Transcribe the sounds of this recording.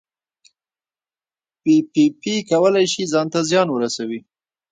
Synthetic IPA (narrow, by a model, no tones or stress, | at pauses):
pipipikawəlajʃizɑnt̪azjɑnwəɾasawi